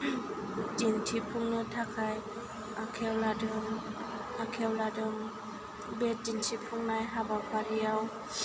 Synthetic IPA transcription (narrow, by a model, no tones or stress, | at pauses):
tintʰipʰuŋnɯtʰakʰaj | akʰɛwladɯŋ | akʰɛwladɯŋ | bɛt̚d͡ʒintʰipʰuŋnajɦabakʰaɾiaw